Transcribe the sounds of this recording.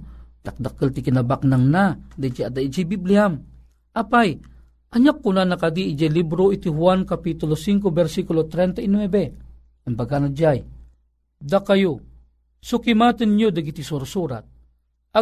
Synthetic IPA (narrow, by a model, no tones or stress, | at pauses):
d̪ak̚d̪akəlt̪ikinabaknaŋnad̪ajd͡ʒaad̪aid͡ʒajbibliham | ʔapaj | ʔɐɲak̚ːunanakad̪iːd͡ʒajlibɾoit̪iɦwankapit̪ulosiŋk̬obɛɾsikulot̪ɾɛnt̪ainwɛbɛ | ʔɛmbaɡanad͡ʒaj | d̪akajo | sukimat̪ənɲod̪aɡit̪isuɾasuɾat̪̚ | a